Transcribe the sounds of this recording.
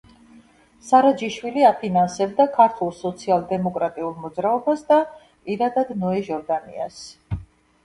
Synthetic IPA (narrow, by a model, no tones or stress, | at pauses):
saɾad͡ʒiʃwiliapʰinansɛbd̪akʰaɾt̪ʰulˠsɔt̪sʰialˠd̪ɛmɔkʼɾat̪ʼiulˠmɔd̪zɾaɔbasd̪a | pʼiɾad̪ad̪nɔɛʒɔɾd̪anḭa̰s